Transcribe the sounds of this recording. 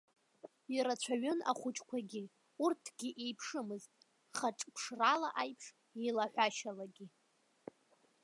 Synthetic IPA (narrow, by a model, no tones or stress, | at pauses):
iɾat͡ɕʷʰaɥʏna̰χʷʊt͡ʃʼkʷʰaɡʲi | urtʰɡ̥ʲiʔejpʰʂɨmɨztʼ | χaʈ͡ʂʼpʰʂralaʔajpʰʂ | elaħʷᶣaʃalaɡʲi